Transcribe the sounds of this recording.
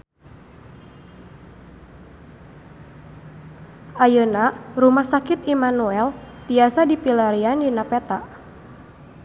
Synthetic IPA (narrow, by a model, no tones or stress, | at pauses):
ajənarumahsakɪt̪imanuɛlt̪iasadipilaɾiandinapɛt̪aʔ